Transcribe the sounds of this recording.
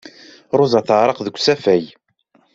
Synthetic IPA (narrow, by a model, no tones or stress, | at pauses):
ɾˤʊzɑθəʕɾˤəqðəkʷːsæfæj